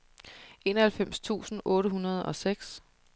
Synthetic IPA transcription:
ʔe̝ːnɒhælfem̰st͡sʰṵːsn̩ʔɔ̽ːɾəɦunɐð̞ˠɒ̽seɡ̥s

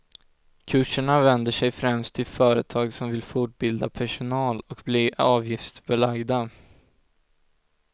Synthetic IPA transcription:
kʰɵʂːəɳavɛnd̪əʂɛjfɾɛmst̪ʰːɪlfœːɾət̪ʰɑːɡsɔmvɪlfʊʈ̚bɪld̪apʰæʂʊnɑːlɔkbliʔɑːvjɪft̪sbɛlaɡd̪a

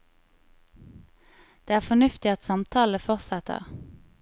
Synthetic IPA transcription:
d̪̥eːæːʁfɔnʉft̪ɪɑt̪sɑmt̪ʰɑːləfɔʁsæt̪ə̰ʁ

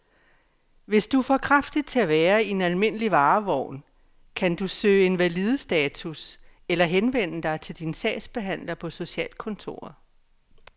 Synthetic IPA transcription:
ʋe̝sd̥ufɒkʰʁɑfd̥id̥̚t͡sʰe̝æʋæːɐienælme̝n̰əliʋɑ̈ːʋɒʊ̰n | kʰænd̥usø̰ːɪe̝nʋælið̞ˠəsd̥ɛːt͡sʰuselɐɦenʋen̰əd̥ɑ̈ɪt͡sʰe̝ld̥insɛ̰ːsb̥e̝ɦæn̰lɐpʰɒ̽so̝ɕɛ̰ːl̥̚kʰɔ̽nt͡sʰo̝̰ːɐðˠ

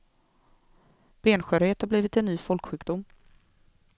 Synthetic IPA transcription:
b̥eːnɧœːɾheːt̪haɾbliːvɪt̪ɛnːyːfɔlkɧʉːkd̪ʊmː

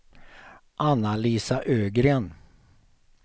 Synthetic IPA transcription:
ʔanːaliːsaʔøːɡɾeːn

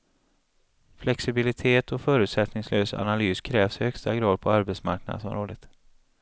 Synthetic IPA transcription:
flɛksɪbɪlɪt̪ʰeːt̪ʰɔfœːɾʉ̟ːt̪sɛt̪nɪŋsløːsa̰nalyːskʰɾɛːvshœkst̪aɡɾɑːd̪̚pʰɔaɾbɛt̪sma̰ɾknad̪sɔ̰mɾoːd̪ət̪

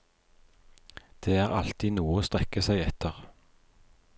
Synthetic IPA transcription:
d̪̥eːæːʁɑ̰lt̪ʰiːnuːoːst̪ʁɛkəsæɪɛt̪əʁ

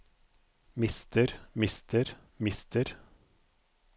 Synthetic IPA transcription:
mɪst̪əɾmɪst̪ʰəɾ | mɪst̪ʰəɾ

